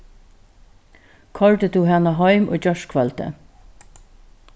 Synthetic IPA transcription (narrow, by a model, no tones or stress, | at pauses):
kʰɑlt̪əd̪uːhænɑɦɑɪmʔo̰ːd͡ʒœʃkʰʋɑlt̪ə̰